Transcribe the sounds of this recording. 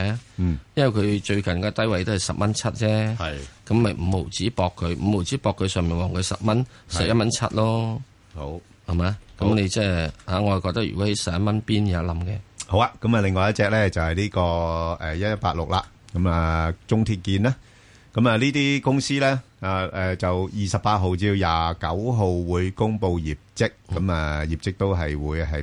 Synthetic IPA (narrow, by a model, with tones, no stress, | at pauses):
jɐ˥nwɐ˨˩jkʰɵ˨˧ɥt͡ʃɵ˧ɥkɐ˨˩nkɔː˧t̪ɐ˥jwɐ˨jt̪o˥hɐ˨˩jsɐ˨p̚mɐ˥nt͡sʰɐ˥t̚t͡sɛː˥hɐ˨jkɐ˨˥mmɐ˨jm̩˨˩mo˨˩wt͡siː˨˥pɔː˧kʰːɵ˨˧ɥm̩˨˩mo˨˩wt͡siː˨˥pɔː˧kʰːɵ˨˧ɥsœː˨ŋmiː˨˩nwɔː˨ŋkʰɵ˨˧ɥsɐ˨p̚mɐ˥n | sɐ˨p̚jɐ˥tmɐ˥nt͡sʰɐ̰˥t̚lɔː˥ | ho˨˧˥w | hɐ˨˩maː˨˧˥kɐ˨˦˥mne˨˧jt͡sɛː˥˩haː˨˩ŋɔ˨˧˨kɔː˧t̪ɐ˥k̚y̰˨˩kɔ˨˥he˨˦jsɐ˨˩p̚jɐ˥mɐ˥npiː˥njaː˨˦˥lɐ˨˥mkɛː˧ho˨˥wa˧kɐ˨˥mɐ˨lɪ˨ŋːɔː˨˧jɐ˥tt͡sɛː˧k̚lɛː˥t͡sɐ˨˩whɐ˨jliː˥kɔː˧ɛː˨jɐ˥t̚t̚paː˧t̚lʊ˨k̚laː˧ | kɐ˨˦ma˨t͡sʊ˥ŋt̪ʰiː˧t̚kiː˧naː˥ | kɐ˨˦˥mɐː˨liː˥t̪iː˥kʊ˥ŋsiː˥lɛː˥ | aː˧ɛː˧t͡sɐ˨wjiː˨sɐ˨p̚paː˧t̚ɦo˨wt͡siː˧wjaː˨kɐ˨˥wɦo˨wwuː˨˧jkʊ˥ŋpo˧wjiː˨˩p̚t͡sɪ˥k̚ːɐ˨˦ma˨ji˨p̚t͡sɪ˥k̚t̪o˥wɦɐ˨jwuː˨˧jɦɐ˨j